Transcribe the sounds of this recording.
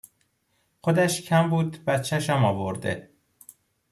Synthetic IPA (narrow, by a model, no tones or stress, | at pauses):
xod̪æʃcʰæmbuːd̪bæt̪t͡ʃʰːæʃæmɒːvoɾd̪e